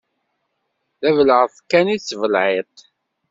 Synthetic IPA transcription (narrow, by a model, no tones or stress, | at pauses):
ðævələʁθkːænit͡sːvəlʕet̪ˤ